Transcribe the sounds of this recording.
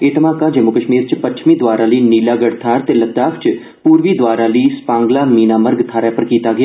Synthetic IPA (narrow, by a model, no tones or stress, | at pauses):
eːt̪əmaːkãːd͡ʒəmuːkəʃmiːɾt͡ʃpət͡ʃʰmĩːd̪oʋaːɾaːləiːniːlaːɡəɽt̪ʰaːɾt̪eːlət̪aːkʰt͡ʃ | puːɾʋiːd̪waːɾaːləiːspãːŋɡlaːmiːnaːməɾɡt̪ʰaːɾaːpəɾkiːt̪aːɡɪa